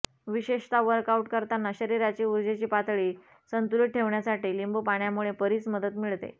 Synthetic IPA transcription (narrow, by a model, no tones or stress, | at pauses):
ʋiɕeʂt̪aʋəɾkauʈkəɾt̪anːaɕəɾiɾat͡ɕiːuɾd͡ʑet͡ɕiːpat̪ɭiː | sənt̪uliʈ̪̚ʈʰeʋɳjasaʈiːlimbupaɳjamuɭepəɾiːt͡sməd̪ət̪miɭt̪ḛ